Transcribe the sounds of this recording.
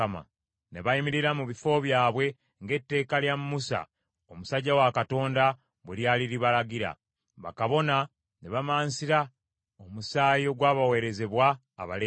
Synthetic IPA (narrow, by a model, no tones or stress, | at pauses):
ma̰ | ne̞βaimiɾiɾamuβifo̞βjaːβwe̞ | ŋɡe̞tːe̞ːkaljammusa̰ | o̞musaɟːawakato̞ːnda | βweɾjaːliɾiβalaɡiɾa̰ | βa̰kaβo̞na | ne̞βamaːnsiɾa | omusaːjo̞ɡwaːβawe̞ːɾe̞ze̞βwa̰ː | βa̰le